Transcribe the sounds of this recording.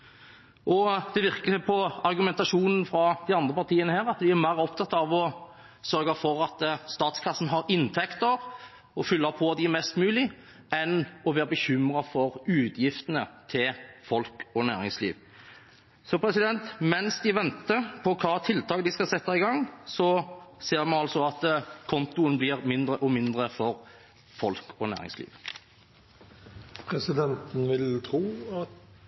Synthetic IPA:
ʔɔd̪̥ɛʋɪʁkəpʰɔɑɾɡʉmɛnt̪ɑʂuːnn̩fɾɑd̪ɪɑnd̪ʁəpɑʁt̪ʰiːənəhæːʁɑt̪d̪ɪæɾmæɪʁɔp̚t̪ʰɑt̪ːɑɑʋɔ | sœɾɡɑfɔɾɑt̪st̪ɑːt̪skʰɑsn̩ɦɑɾɪnt̪ʰɛkt̪əʁ | ɔfʏlːəpʰɔd̪ɪmɛst̪mʉːlɪ | ɛnɔʋæːʁbəçʏmɾɑfɔɾʉːd̪jɪft̪ənət̪ʰɪlfɔlkɔnæːɾɪŋslḭːʋ | sɔpʰɾɛsɪd̪ɛnt̪mɛnsd̪ɪʋɛnt̪əpʰɔkʰɑːt̪ʰɪlt̪ʰɑːkd̪ɪskɑsɛt̪ːɑɪɡɑŋːsɔseːɾmɛnɑlsɔɑt̪kʰɔnt̪ʊənblɪɾmɪnd̪ʁəʔɔmɪnd̪ʁəfɔɾ | fɔlkʰɔnæ̰ːɾɪ̰ŋslḭːʋ | pʰɾɛsɪd̪ɛnt̪n̩ʋɪlt̪ʰɾuːɑt̪

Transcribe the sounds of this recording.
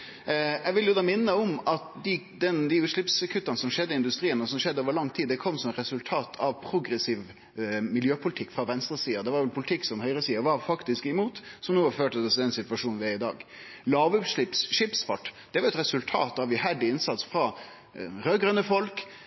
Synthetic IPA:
jɛʋɪljʊd̪ɑːmɪnːəɔmɑt̪d̪ɪ | d̪ɛnd̪ɪʉːt̪ʂɭɪpskʰʉt̪ːɑnəsɔmʂɛd̪ːɪɪnd̪ʉst̪ɾiːənəɔsɔmʂɛd̪əoːʋəɾlɑŋːt̪ʰiːd̪d̪ɛkʰɔmːsɔmɛt̪ɾɛsʉlt̪ʰɑːt̪ʰɑʋpʰɾʊɡɾɛsiːʋ | mɪljøːpʰʊlt̪ʰɪkːfɾɑʋɛnst̪ɾəsiːəd̪ɛʋɑɾʋɛlpʰʊlɪt̪ʰɪkːsɔmhœʏɾəsiːəʋɑɾfɑkt̪ɪskɛmuːt̪sɔmnuːɑføːʈəd̪ɔsd̪ɛnsɪt̪ʋɑʂuːnʋɪæɪd̪ɑ̰ːɡ | lɑːʋʉt̪ʂɭɪpsʃɪpsfɑʈːd̪̥ɛʋɑɾɛt̪ɾɛsʉlt̪ʰɑ̰ːt̪ɑʋjʉhæɖɪɪnsɑt̪sfɾɑ | ɾøːɡɾœnəfɔlk

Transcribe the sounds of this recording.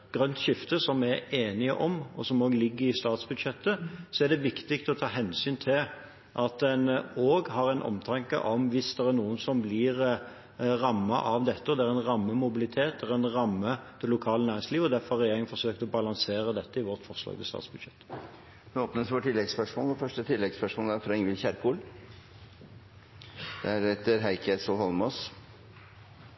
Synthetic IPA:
ɡ̥ʁœnt̪ɕɪft̪əsɔmæeːnɪəʔɔmɔsɔmoːɡlɪɡːəɪst̪ɑːt̪sbʉd̪ʃɛt̪ːəsɔæʁd̪ɛʋɪkt̪ɪkt̪ɔt̪ʰɑːɦɛnsyːnt̪ʰɪl | ʔɑt̪̚d̪ɛnoːɡhɑʁɛɪnʔɔ̰mt̪ʰɑŋkə̰ʔɔmʋɪsd̪ɛʁæʁnuːənsɔmblɪʁ | ʁɑmːɑ̰ʔɑʋd̪ɛt̪ːəɔd̪ɛæɾɛnʁɑmːəmʊbɪlɪt̪ʰeːt̪̚d̪ɛɾɛnʁɑmːəd̪̥ɛlʊkʰɑːlənæːʁɪŋsliːʋɔd̪æfɔʁhɑʁɛjeːʁɪŋənfɔsøːkt̪ɔbɑlɑŋseːʁəd̪ɛt̪ːəɪʋɔʁt̪fɔʁʂlɑ̰ːɡd̪əst̪ɑ̰ːt̪sbʉd̪ʃɛt̪ː | nɛoːpnəsʋɔʈʰːɪlːɛɡspœʂmoːlɔfœʂʈət̪ʰɪlːɛɡspœʂmoːlæɾfɾɑɪŋʋɪlçæɾkʰuːl | d̪̥ɛæɾɛt̪ːəɾɦæɪkʰəsɔhɔlmɔs

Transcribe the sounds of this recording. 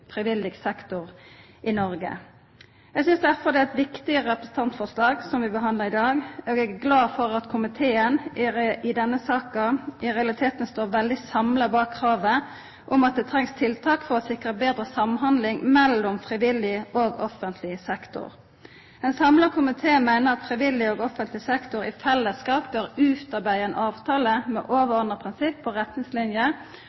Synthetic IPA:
fɾɪʋɪlːɪɡsɛkt̪ʊʁ | ʔɪnɔɾɡə̰ | jɛɡsʏnsd̪æʁfɔʁd̪ɛæɛt̪ʋɪkt̪ɪəʁɛpɾəsn̩t̪ʰɑnt̪fɔʁslɑːɡsɔmʋɪbəɦɑnd̪ləʁɪd̪ɑːɡoːɡɛɡæɡlɑːfɔʁɑt̪kʰʊmɪt̪ʰeːənɪɪd̪ɛnːəsɑːkɑʔɪʁɛɑlɪt̪ʰeːt̪ən̩st̪oːʁʋɛld̪ɪsɑmləbɑːkʰːʁɑːʋə | ʔʊmɑt̪̚d̪ɛt̪ʰʁɛŋst̪ʰɪlt̪ʰɑːkfɔʁɔsɪkʁəbeːd̪ɾəsɑmɦɑnd̪lɪŋmɛlːʊmfʁɪʋɪlːɪoːɡɔfənt̪ʰlɪsɛkt̪ʊ̰ʁ | ɛnsɑmləkʰʊmɪt̪ʰeːmæɪnəʁɑt̪fʁɪʋɪlːɪoːɡɔfənt̪lɪsɛkt̪ʊɾɪfɛlːəskɑːp̚bøːʁʉːt̪ɑʁbæɪɛnʔɑːʋt̪ʰɑːləmɛ̰ʔoːʋəɔnʁəpʰʁɪnsɪpʰːɔʁɛt̪nɪŋslɪnjə

